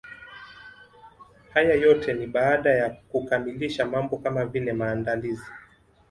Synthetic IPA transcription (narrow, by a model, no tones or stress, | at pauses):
hajajɔtʰɛniɓaaɗajakukamiliʃamambɔkamavilɛmaːndalizi